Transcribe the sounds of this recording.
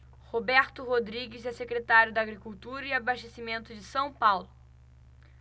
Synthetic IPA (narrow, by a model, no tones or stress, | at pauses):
hobɛɾt̪ʊɦod̪ɾiɡɪzɛsekɾet̪aɾjʊd̪ɐaːɡɾikuwt̪uɾɐiabaʃt̪esimẽnt̪ʊd͡ʒɪsɐ̃w̃pawlʊ